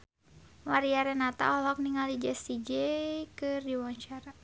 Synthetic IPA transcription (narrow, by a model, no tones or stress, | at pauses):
maɾiaɾɛnat̪a̰ɔɦɔk̚niŋalid͡ʒɛsid͡ʒɛkɨrdiwaɲt͡ʃaɾa